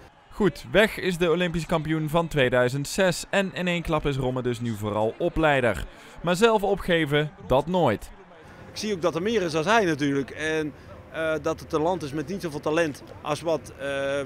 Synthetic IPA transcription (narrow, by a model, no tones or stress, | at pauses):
χutʋɛxɪsdəolɪmpis̬ə̥kɑmpijunvɑntʋejdœɥzəntsɛsɛnɪnejnklɑpɪs̬rɔmədɵs̬nyvoːrɑ̰lˠɔplɛjdə̰r | maːɹzɛlˠfɔpχejvədɑtnoːjt | ɪksiowk̚dɔtəmɪːəɾɪsɑlˠɦɛjnatyːɹləkɛn | dɑtətalɑntɪsmɛtnitsovɪːlˠtalɛntʔɑ̰sʋɑt